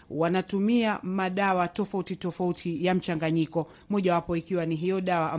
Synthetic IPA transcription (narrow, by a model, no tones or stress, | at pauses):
wanatumiamaɗawatɔfautitɔfautʰijam̩t͡ʃaŋɡaɲikɔ | mɔʄawapɔikiwaniɦijɔɗawaʔ